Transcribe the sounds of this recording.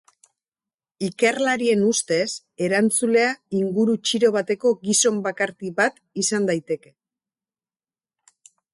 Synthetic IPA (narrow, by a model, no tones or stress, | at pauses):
ike̞rlaɾie̞nust̪e̞s | e̞ɾant͡sule̞aiŋɡuɾut͡ʃiɾo̞βat̪e̞ko̞ɡiso̞mbakaɾk̪iβat̪ | isand̪ajt̪e̞ke̞̥